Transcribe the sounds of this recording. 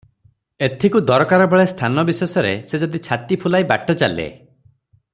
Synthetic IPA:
et̪ʰikud̪ɔɾɔkaɾɔbɔɭest̪ʰanɔbisesɔɾesed͡ʒɔd̪it͡ʃʰat̪ipʰulajba̰ʈɔt͡ʃalḛ

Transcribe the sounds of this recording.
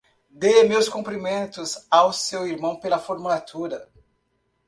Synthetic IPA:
d̪emewskõpɾimẽnt̪ʊzawsewiɾmɐ̃w̃pelɐfoɾmulat̪ʰuɾɐ

